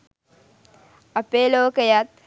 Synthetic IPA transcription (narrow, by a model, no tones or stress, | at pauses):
ɐpeloːkəjat̪̚